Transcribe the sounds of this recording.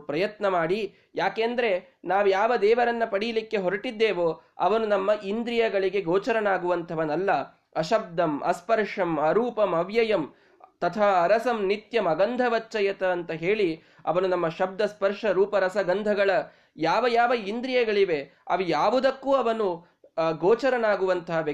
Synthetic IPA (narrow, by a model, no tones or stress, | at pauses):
pɾɐjɐt̪nɐmaːɽi | jaːkeːnd̪ɐɾe̞ | naːʋujaːʋɐd̪ɛːʋɐɾɐnːɐpɐɽijɐlikːe̞ɦoɾɐʈid̪ːeːʋoːɐ̰ʋɐnunɐmːɐʔind̪ɾijɐɡɐɭiɡe̞ɡoːt͡ʃɐɾɐnaːɡuʋɐnt̪ʰɐʋɐnɐlːɐ | ɐʃɐb̚d̪ɐmʔɐ̰spɐɾʂɐmɐɾuːpɐmɐʋjɐjɐm | t̪ɐt̪ʰaːɾɐsɐmnit̪jɐmɐɡɐnd̪ʱɐʋɐt͡ʃːɐjɐt̪ɐːnt̪ɐɦeːɭi | ɐ̰ʋɐnunɐmːɐʃɐb̚d̪ɐspɐɾʂɐɾuːpɐɾɐsɐɡɐnd̪ʱɐɡɐɭɐ | jaːʋɐjaːʋɐind̪ɾijɐɡɐɭiʋe̞ | ɐ̰ʋijaːʋud̪ɐkːuːɐʋɐnu | ɡoːt͡ʃɐɾɐnaːɡuʋɐnt̪ʰɐɦɐʋɐ